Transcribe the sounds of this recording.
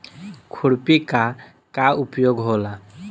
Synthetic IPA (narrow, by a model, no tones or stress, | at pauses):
kʰuɽpika | kaupjoɡɦola